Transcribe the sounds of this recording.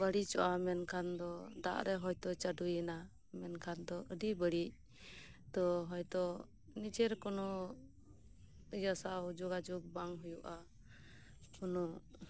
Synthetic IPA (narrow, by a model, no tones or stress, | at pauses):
bəɽit͡ʃɔʔamɛnkʰand̪ɔd̪a̰ʔɾɛɦɔjt̪ɔt͡ʃaɖujəna | mɛnkʰand̪ɔəɖibəɽic̚ | t̪ɔɦɔjt̪ɔ | nit͡ʃɛɾkɔnɔ | jasawd͡ʒɔɡad͡ʒɔɡ̚baŋɦujuʔa | kɔnɔ